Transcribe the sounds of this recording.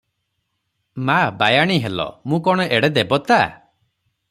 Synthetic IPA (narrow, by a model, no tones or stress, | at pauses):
mabajaɽ̃iɦelɔ̰mũkɔɽ̃ɔʔeɽed̪ebɔt̪a